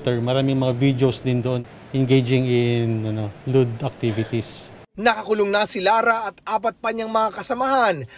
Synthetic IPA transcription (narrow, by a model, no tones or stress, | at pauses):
t̪ɛɹmɐɾaːmɪŋmɐŋavid̪josd̪ɪnd̪oʔon | ʔɪnɡejd͡ʒɪŋɪnɐnolud̪ɐk̚t̪ivɪt̪is | nɐkɐkʊlʊŋnasɪlaːɾaɐt̪ʔaːpɐt̪̚pɐɲaŋmɐŋakɐsɐmaɦan